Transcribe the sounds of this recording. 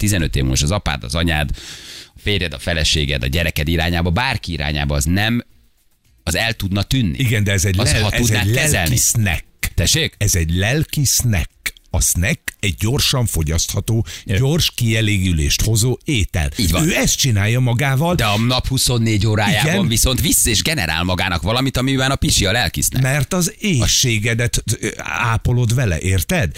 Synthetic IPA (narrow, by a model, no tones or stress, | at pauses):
t̪izɛnøt̪ḛːvmoʃɒzɒpa̰ːd̪ɒ̰zɒɲa̰ːd̪ɒfeːrjɛd̪ɒfɛlɛʃḛːɡɛ̰d̪ɒ̰ɟɛɾɛkɛd̪iɾa̰ːɲaːbɒbaːrkiiɾa̰ːɲa̰ːbɒːznɛm | ɒzɛlt̪ud̪nɒt̪ynːḭiɡɛnd̪ɛɛzɛɟɒt̪udzɛnalɛzɛlnisnɛ̰kːt̪ɛʃːeːkɛzɛɟlɛlkisnɛkːɒsnɛkːɛɟ̚ːo̞rʃɒɱfo̞ɟɒst̪hɒt̪oːɟo̞rʃkiɛleːɡylḛːʃt̪ho̞zoːeːt̪ɛ̰liːɟvɒønːɛst̪̚t͡ʃinaːjːɒmɒɡaːvɒld̪ɛɒnɒphuso̞nːeːɟoːɾaːijaːɡɛnɔnviso̞nt̪ʋisːeːʒɡɛnɛ̰ɾa̰ːlmɒɡaːnɒkʋɒlɒmit̪ɒmibɛnɒpiʃiɒlɛlkḭsnɛ̰mɛrt̪ɒzeːʃeːɡɛd̪ɛt̪a̰ːpo̞lo̞d̪vɛlɛ̰ʔeːrt̪ɛd̪